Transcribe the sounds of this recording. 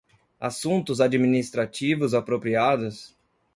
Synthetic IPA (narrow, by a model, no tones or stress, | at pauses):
a̰sũnt̪ʊzad͡ʒiminist̪ɾat͡ʃivʊzapɾopɾiad̪ʊs